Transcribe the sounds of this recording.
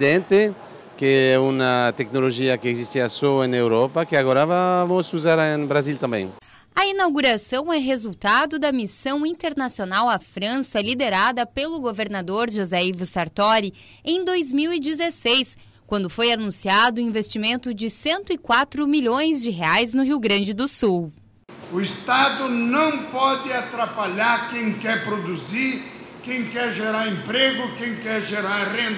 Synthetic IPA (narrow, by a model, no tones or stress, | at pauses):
d̪ẽnt̪e | keɛunɐt̪ɛknoloʒiɐkɪeɡzist̪iasoẽnewɾɔpɐkɪaɡɔɾavavõsuzaɾẽbɾazilt̪ɐ̃mbḛ̃ŋ̃ | ɐinawɡuɾasɐ̃w̃ɛɦezuwt̪ad̪ʊd̪ɐmisɐ̃w̃ĩnt̪eɾnasionawɐfɾɐ̃sɐlid̪eɾad̪ɐpelʊɡoveɾnad̪oɾʒozaivusaɾt̪ɔɾi | ẽj̃d̪ojzmiwid͡ʒɪzesejs | kwɐ̃nd̪ʊfojanũsiad̪ʊĩvest͡ʃimẽnt̪ʊd͡ʒɪsẽnt̪ʊikwat̪ɾʊmiʎõj̃zd͡ʒɪɦeajznʊɦiwɡɾɐ̃nd͡ʒɪd̪ʊsuw | ʊɪst̪ad̪ʊnɐ̃w̃pɔd̪ɪat̪ɾapaʎaɾkẽj̃kɛɾpɾod̪uziɾ | kẽj̃kɛɾʒeɾaɾẽmpɾeɡʊkẽj̃kɛɾʒeɾaɾʁẽn